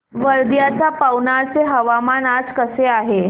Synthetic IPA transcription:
ʋəɾd̪jat̪apawnaɾt͡seɦəʋamanad͡zkəseaɦe

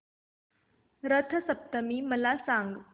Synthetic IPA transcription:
ɾət̪ʰəsəp̚t̪əmiːməlasaŋɡ

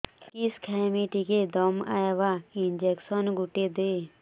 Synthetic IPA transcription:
kɪskʰamiʈiked̪ɔma̰jeʋaɪnd͡ʒeksɔnɡʊʈed̪eː

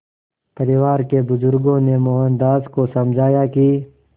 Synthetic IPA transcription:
pɐɾɪwaːɾkebʊzʊɾɡõnemoːɦə̃nd̪aːzkosɐmd͡ʒʱaːjaki

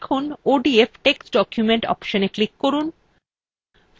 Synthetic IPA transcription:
kʰunoɖiefʈeksɖɔkjumeɳʈɔ̰pʃoneklikːoɾun

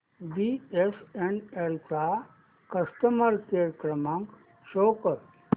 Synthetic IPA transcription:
biesenelt͡sa | kəsʈəməɾkeɾəkɾəmãŋk | ʃoːkəɾ

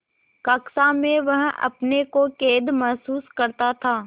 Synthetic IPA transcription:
kɐksamẽʋɐɦɐ̰pnekokeːd̪mɐɦsuːskɐɾt̪at̪ʰaː

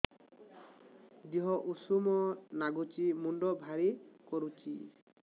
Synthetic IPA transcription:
d͡ʒiɦɔʔusumɔnaɡut͡ʃimuɳɖɔbʱaɾikɔɾut͡ʃḭ

